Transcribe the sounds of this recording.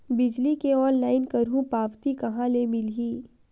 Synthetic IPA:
bɪd͡ʒlikeɔːnlaːɪnkɐɾɦũpaːʋt̪ikɐɦãlebɪlɦiː

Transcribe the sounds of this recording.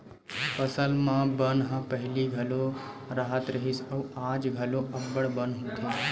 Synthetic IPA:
pəsəlmãbənɦə̃pəɦɪliɡʱəlo | ɾaɦət̪ɾəɦisəʋad͡ʒɡʱəloʔəbːəɽbənɦũt̪ʰẽ

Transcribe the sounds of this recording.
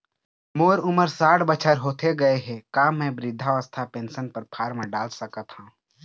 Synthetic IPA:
moːɾʊməɾsaːɽbət͡ʃʰəɾɦoːt̪eɡɐeɦɛ̃kaːmːɛ̃bɾɪd̪ʱːaʋəst̪ʰapẽːnsənpəɾpʰaːɾmə̃ɖaːlsəkət̪hãː

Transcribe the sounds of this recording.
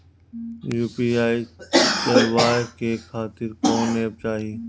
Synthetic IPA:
juːpiːaːit̪ɐlʋaːɦkekʰaːt̪ɪɾkɔ̃ːneːb̚t͡ʃaːɦiː

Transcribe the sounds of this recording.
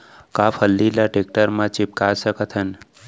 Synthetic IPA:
kapʰəlːilaʈek̚ʈəɾmãt͡ʃip̚kasəkət̪ʰɦən

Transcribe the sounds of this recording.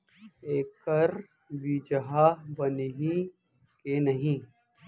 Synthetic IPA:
eːkɐɾ | bid͡ʒɐɦaːbɐnɦĩ | kenɐɦĩ

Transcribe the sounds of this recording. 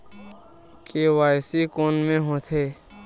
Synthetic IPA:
keːwaːjsikoːnmẽɦõːt̪ʰeː

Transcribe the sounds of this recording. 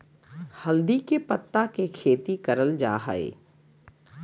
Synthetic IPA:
hɐld̪ikepɐt̪ːakekʰeːt̪ikɐɾəld͡ʒa̰ːɦa̰ḛː

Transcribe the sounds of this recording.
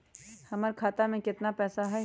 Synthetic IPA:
hɐməɾkʰaːt̪amẽkɪt̪napɛːsaɦɛ

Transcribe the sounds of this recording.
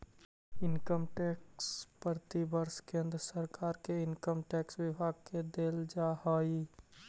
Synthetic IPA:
ɪnkəmʈɛkspəɾt̪ibəɾskẽnd̪ɾəsəɾkaːɾkeɪnkəmʈɛkswɪbʱaɡ̚ked̪eld͡ʒahɔi

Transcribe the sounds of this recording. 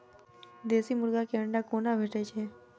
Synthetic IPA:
d̪esimuɾɡakeəɳɖakonabʱeʈet͡ʃʰe

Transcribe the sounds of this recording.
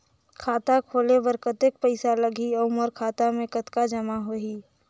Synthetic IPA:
kʰaːt̪akʰoːlebəɾkət̪ek̚pəɪsalɐɡʱiɐmɔɾkʰaːt̪amẽkət̪kad͡ʒɐmaɦoiː

